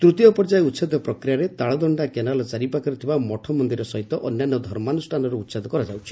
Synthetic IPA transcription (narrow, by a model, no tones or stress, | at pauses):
t̪ɾut̪ijɔpɔɾd͡ʒajeut̪sad̪ɔpɾɔkɾijaɾet̪aɭɔd̪ɔɳɖakenalɔt͡ʃaɾipakɔɾut̪ʰibamɔʈʰɔmɔnd̪iɾɔsɔɦit̪ɔʔɔnjanːɔd̪ʱɔɾmanusʈʰanɔɾeut̪sad̪ɔkɔɾad͡ʒawt͡ʃʰi̥